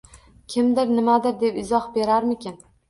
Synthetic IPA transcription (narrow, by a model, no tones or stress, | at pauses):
kʲʰɪmd̪ɪɾnɪmad̪ɪɾd̪e̞pɪzɒhbe̞ɾaɾmɪkʲʰɪn